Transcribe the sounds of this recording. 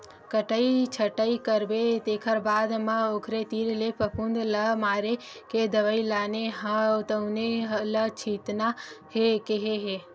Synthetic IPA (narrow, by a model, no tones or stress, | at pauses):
kəʈəit͡ʃʰəʈəikəɾbet̪eːkʰəɾbaːd̪mãoːkʰɾet̪iːɾlepəpʰund̪ləmaːɾe | ked̪əʋəilaːneɦə̃t̪əʊnelət͡ʃʰiːt̪nahekeɦeɦeː